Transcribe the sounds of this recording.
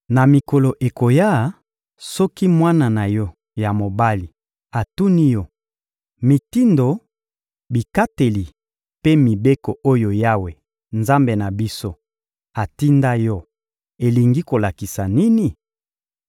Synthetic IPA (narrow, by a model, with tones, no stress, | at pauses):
na˨mi˨ko˨lo˨ʔe˨ko˨ja˦˨ | sɔ˦ki˦mwa˦na˨na˨jɔ˦ | ja˨mo˨ba˦li˨ | a˨tu˦ni˦jɔ˦ | mi˨ti˦ndo˨ | bi˨ka˦te˨li˨ | pe˦mi˨be˦ko˨ʔo˦jo˨ja˦we˨ | nza˦mbe˨na˨bi˦so˦ | a˨ti˦nda˦jɔ˦ | e˨li˨ŋɡi˦ko˨la˨ki˨sa˨ni˦ni˨